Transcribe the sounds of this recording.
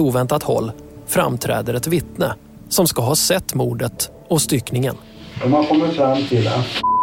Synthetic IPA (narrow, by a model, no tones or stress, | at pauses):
uːvɛnt̪at̪hɔ̰lː | fɾa̰mt̪ʰɾɛ̰ːd̪əɾɛt̪vɪt̪nə | sɔmskaɦɑːsɛt̪ːmuːɖət̪ | ɔst̪ʏknɪŋə̰n | ɔmankʰɔmːəɾfɾamːt̪ʰɪlɛ